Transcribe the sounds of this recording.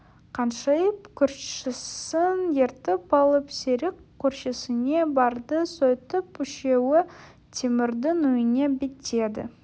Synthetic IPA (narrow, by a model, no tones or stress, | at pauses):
qʰɑnʃɑjəpkʲʰʏɾʃɪsɪnje̞ɾt̪ɪpɑlˠəpseɾɪkʲʰːɵɾʃɪsɪne̞bɑɾd̪əsojt̪əpʏʃe̞wɪ | t̪ʰemɪɾd̪ɪnʊjɪne̞bɪt̪e̞d̪ɪ̰